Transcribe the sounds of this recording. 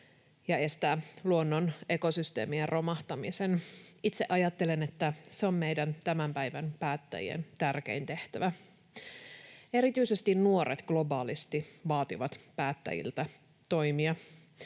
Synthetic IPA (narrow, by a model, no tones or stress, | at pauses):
jɑe̞st̪æːluonːone̞ko̞syst̪e̞̰ːmierrʔo̞mɑht̪ɑmisenit̪se̞ʔɑjɑt̪ːe̞le̞net̪ːæseo̞mme̞jdænt̪æmæmpæjʋænpæːt̪ːæ̰jḭḛnt̪ærk̟e̞̰int̪e̞ht̪æʋæ | e̞ɾit̪yisest̪innuo̞ɾet̪ɡ̥lo̞bɑːlist̪iʋɑːt̪iʋɑt̪pæːt̪ːæ̰jḭlt̪æ | t̪o̞jmiɑ